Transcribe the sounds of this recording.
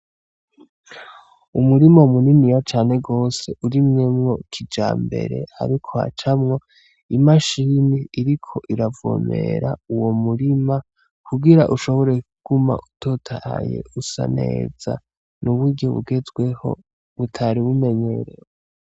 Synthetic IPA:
umuɾimaumuninijat͡ʃaːne̞ɡo̞ːse̞ʔuɾimɲemŋo̞kʰid͡ʒa̰ːmbe̞̰ɾe̞̰a̰ɾikʰo̞ha̰t͡ʃamŋo̞ | imaʃiniːɾikʰo̞ʔiɾavo̰ːme̞̰ɾauwo̞muɾima | kuɡiɾaʔuʃo̞βo̞ɾekuɡ̥uma̰ʔutʰotʰaa̰je̞̰usa̰ne̞̰ːz̥a̰ | nuβwiːɟoβṵɡe̞zɡwe̞ho̞̰ | βutʰaɾiβume̞ɲe̞ɾḛɾe

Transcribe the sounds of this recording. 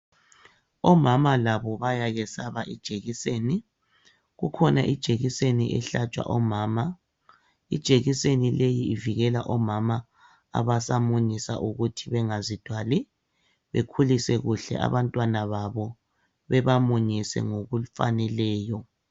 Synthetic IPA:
ɔmamalaβɔβajaɣɛsaβaʔid̥ʒ̥ʱeɣiseːni | ɣukʰɔnaʔid̥ʒ̥ʱeɣiseniʔɛ̰ɬat͡ʃʼwa̰ʔɔmaːma | id̥ʒ̥ʱeɣisenilejiːviɣɛla̰ʔɔmama̰ː | βasamuɲisa̰ʔuɣutʰiβɛŋazid̥ʱwali | βḛkʰulisɛɣuɬɛ̰ʔa̰βantʼwanaβaβɔ | βɛβamuɲisɛ̰ŋoɣufa̰nɛlɛːjɔ

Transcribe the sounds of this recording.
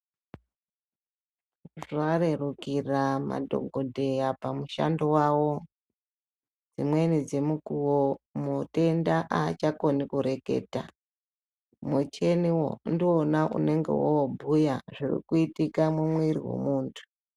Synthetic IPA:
rarerukirama̰dʱo̞̰ɡʱo̞dʱe̞japamuʃa̰ndowawo̞ | d͡zimwe̞nid͡ze̞mukuwomote̞ndaʔaːt͡ʃako̞nikuɾe̞ke̞̰ːta̰ | mot͡ʃe̞niwo̰ndiwonaʔṵne̞ŋɡe̞̰wobʱujaʐirḭkuitikamwumwiriwḛmuːntʰu̥

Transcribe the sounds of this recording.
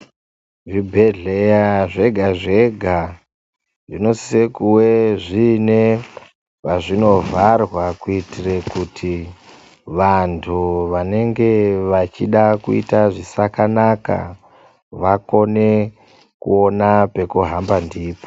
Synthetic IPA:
ʐibʱe̞ɮejaʐe̞ɡʱaʐeɡʱa | ʐino̞si̥sekuwe̞ʐine | paʐino̞varwakuitirekutʰi | ʋantʰuʋane̞ŋɡe̞ʋat͡ʃiɗakuḭtaʐisakanaka̰ | ʋako̞ne̞ | kṵo̞nape̞kuɦambandiːpo̥

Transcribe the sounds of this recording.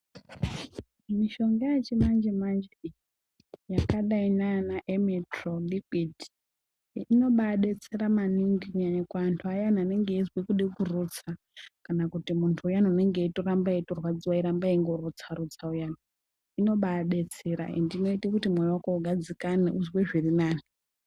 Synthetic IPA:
miʃo̞ŋɡejat͡ʃemand͡ʒemand͡ʒe | jakaɗainanaʔemitrolikidi | ino̞ɓaːɗe̞t͡se̞ɾamaniŋɡikuɲaɲakwaːntʰuajanane̞ŋɡeizwikuɗikurut͡sa | kanakutimuntʰuːjanoune̞ŋɡeitoɾambaitorwad͡ziwaiɾambaiŋɡo̞ɾut͡saɾut͡saujaːni | ino̞ɓaːɗe̞t͡seɾa̰ḭndino̞itekutimwewakouɡʱad͡zikanḛʔuzweʐirinaːni

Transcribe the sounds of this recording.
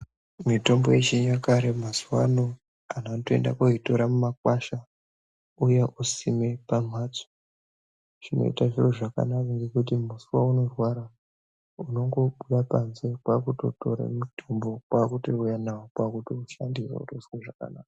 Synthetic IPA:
mito̞mbojet͡ʃeɲakaɾemazuwano | anatoḛnda̰koito̞ɾamumakwaʃa | ujeʔusime̞pam̤aːt͡so̥ | ʐino̞̰ḭtaʐiroʐaka̰nakaŋɡe̞kutim̤usuwauno̞rwaɾa | uno̞ŋɡo̞ɓuɗapanze̞kwakuto̞̰to̞̰ɾa̰mitʰombo̞kwakutoujanaokwakutouʃandirḛṵtosiweʐaka̰naːka

